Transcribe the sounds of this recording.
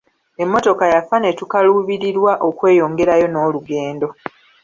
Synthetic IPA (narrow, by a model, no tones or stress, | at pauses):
e̞mːo̞to̞kajafane̞tukaluβiɾiɾwaʔo̞kwe̞ːjo̞ːŋɡe̞ɾajo̞no̞ːluɡe̞ːndo̞